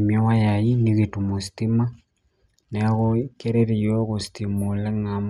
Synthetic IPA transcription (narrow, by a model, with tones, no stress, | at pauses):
mjo˦wa˦jaji˦niɣetu˨mo˨si̥ti˦ma˦ | ne˨˦ɣokeɾe˦ɾi˨o˦ɣosi̥timule˦ŋa˨m